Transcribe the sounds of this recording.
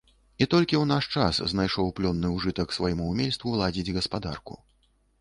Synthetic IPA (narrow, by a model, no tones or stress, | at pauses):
it̪ɔlʲkʲiwn̪aʂt͡ʂasznajʂɔwplʲɔnːɨuʐɨt̪ɐksvajɛmuːmʲelʲst̪vulˠad͡zʲid͡zʲɣɐspad̪a̰rkṵ